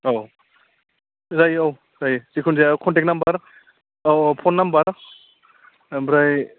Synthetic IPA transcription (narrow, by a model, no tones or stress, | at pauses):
aw | zajɔw | zajzikʰunzajawkʰɔntek̚nambaɾ | ɔpʰɔnːambaɾ | bɾaj